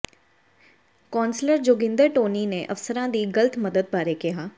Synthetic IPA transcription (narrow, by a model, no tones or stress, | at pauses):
kɔːnsləɾd͡ʒoːɡɪ̃nd̪əɾʈoːnineʔɐfsəɾãːd̪iːɡələt̪məd̪əd̪̚bʱaːɾekɪɦaː